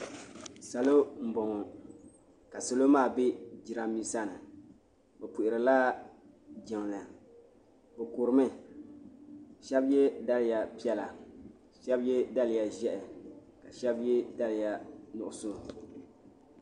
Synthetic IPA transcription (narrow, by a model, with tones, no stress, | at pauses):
sa˨lo˦m̩˨bɔ˨ŋɔ˨ | ka˨so˨lo˦maː˦˨be˦d͡ʒi˨ɾa˨mi˦sa˦˨nɨ˨ | bɛ˨pu˨ʔɪ˨ɾɨ˨laː˦ | d͡ʒɛ˨ŋ˨lɨ˨ | bɛ˨ko˨ɾɨ˨˦mɨ˦ | ʃɛ˦bjɛ˦da˦lɪ˦˨ja˨pi˦ɛ˦la˨ | ʃɛ˦bjɛ˦da˦lɪ˨ja˨ʒɛ˦ʔɛ˨ | ka˨ʃɛ˦bjɛ˦da˦lɪ˨ja˦nʊ˨ʔʊ˦˨so˦˨